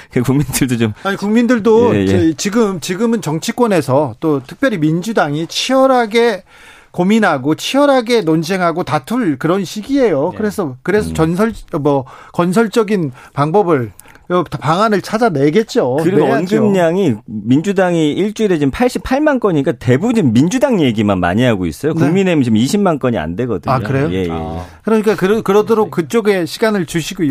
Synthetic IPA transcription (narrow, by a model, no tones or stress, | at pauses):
kekuŋmindɯɭdot͡ɕomaɲikuŋmindɯɭdoet͡ɕiɡɯmt͡ɕiɡɯmɯnt͡ɕʌŋt͡ɕʰik͈wʌne̞sʰʌt͈otʰɯ̥k̚p͈jʌɾimind͡ʑudaŋit͡ɕʰiʌɾaɡe̞ | kominɦaɡot͡ɕʰiʌɾɦaɡe̞nond͡ʑeŋɦaɡotatʰuɭkɯɾʌnɕʰiɡie̞jokɯɾe̞sʰʌkɯɾe̞s̬ʰʌt͡ɕʌnsʰʌɭmʌkʌnsʰʌɭt͡ɕ͈ʌɡinpaŋbʌbɯɭ | ʌpaŋanɯɭt͡ɕʰad͡ʑaneɡe̞t̚t͡ɕ͈oɯɾiɡoʌnɡɯmɲaŋimind͡ʑudaŋiiɭt͡ɕ͈uiɾed͡ʑimpʰaɭɕ͈ipʰaɭmank͈ʌɲiik͈ate̞bubunimːind͡ʑudaŋje̞ɡimanma̰ɲiɦaɡoḭs͈ʌjokueŋminemɯt͡ɕomiɕʰimmank͈ʌɲia̰nde̞ɡʌdɯakɯɾe̞jojejḛjḛkɯɾʌɲik͈akɯɾkɯɾʌdʰʌɾokk͈ːɯt͡ɕ͈oɡe̞ɕʰiɡanɯɭt͡ɕuɕʰiɡo